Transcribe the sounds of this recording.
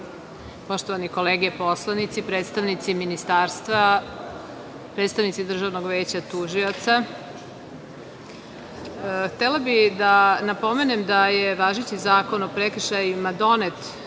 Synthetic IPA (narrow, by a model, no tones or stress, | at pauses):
po̞ʃt̪oʋaniko̞leːɡɛpo̞slˠanit̪sipɾeːt̪st̪aʋnit̪siminist̪aːɾst̪ʋa | pɾet̪st̪aʋnit̪sid̪r̩ʒaʋnoɡʋeːt͡ɕat̪uʒiot̪sa | xt̪elabid̪anapo̞me̞nemd̪ajeʋaːʒit͡ɕizaːko̞no̞pɾekr̩ʃajumad̪o̞net̪